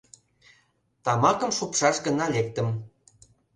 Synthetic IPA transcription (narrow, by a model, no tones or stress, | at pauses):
t̪ɑmɑkə̆mʃupʃɑʃɡə̆nɑlek̚t̪ə̆m